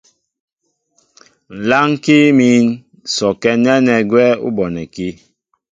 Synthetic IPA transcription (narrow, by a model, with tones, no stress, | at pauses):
n̩˨la˦ŋ˦ki˦miː˦n | sɔ˨kɛ˦nɛ˦nɛ˨ɡwɛ˦ṵ˦bɔ˨nɛ˨ki˦